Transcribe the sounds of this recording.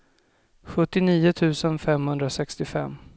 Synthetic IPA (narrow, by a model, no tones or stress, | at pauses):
ɧɵt̪ːɪniːʊt̪ʰʉ̟ːsənfɛmhɵnd̪ɾasɛkst̪ɪfɛ̰mː